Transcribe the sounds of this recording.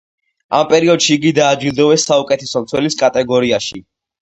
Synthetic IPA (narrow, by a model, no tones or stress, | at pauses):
a̰mpʼɛɾiɔd̪̥ʃiːɡid̪aːd͡ʒwilˠd̪ɔvɛsːaukʼɛt̪ʰɛsɔmt̪sʰwɛliskʼat̪ʼɛɡɔɾiaʃi